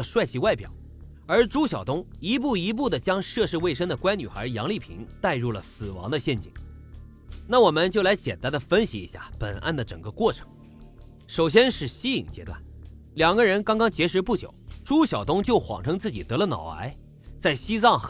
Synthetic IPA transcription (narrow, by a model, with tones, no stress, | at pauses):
əʂwa˥˧ɪt͡ɕʰi˥˩wa˥˩ɪpjɑ̰˨˩˦ʊ | ə˞˧˥ʈ͡ʂu˥ɕjɑ˨˩ʊt̪ʊ˥ŋi˧˥p̬u˥˩i˧˥p̬u˥˩d̪ə˩t͡ɕjɑ˥ŋʂɤ˥˧ʂɻ̩˥˧we˥˩ɪʂ̬ə˥ŋd̪ə˨kwa˥nny˨˩xə̰˞˧˥jɑ̰˧˥ŋli˥˩pʰḭ˧˥ŋt̪a˥˧ɪɻu˥˩lə̰˩sɹ̩˨˩wɑ̰˧˥ŋd̪ə˧ɕjɛ˥˧˩nt͡ɕḭ˨˩˦ŋ | na˥˩wɔ˨˩mə˧˦nt͡ɕjʊla˧˥ɪt͡ɕjɛ̰˨˩nt̪a˥nd̪ə˨˩fə˥nɕi˧˥ḭ˧˥ɕja̰˥˩pə̰˨˩nʔa̰˥˩nd̪ə˩ʈ͡ʂɤ˨˩ŋɡə˧˦kwɔ˥˩ʈ͡ʂʰɤ̥˧˥ŋ | ʂo˨˩ʊɕ̬jɛ˥nʂɻ̩˥˩ɕi˥i˨˩ŋt͡ɕjɛ̰˥t̪wa̰˥˩n | ljɑ˨˩ŋɡə˧ɻə˧˥nkɑ˥ŋkɑ˥ŋt͡ɕjɛ˧˥ʂɻ̩˧˥pu˥˩t͡ɕjo̰˨˩˦ʊʈ͡ʂu˥ɕjɑ˨˩ʊt̪ʊ˥ŋt͡ɕjo˥˩ʊxwɑ̰˨˩ŋʈ͡ʂʰɤ˥ŋt͡sɹ̩˥˩t͡ɕi˨˩t̪ɤ˧˥lə˧nɑ̰˨˩ʊa̰˧˥ɪ | t͡sa˥˩ɪɕi˥t͡sɑ˥˩ŋ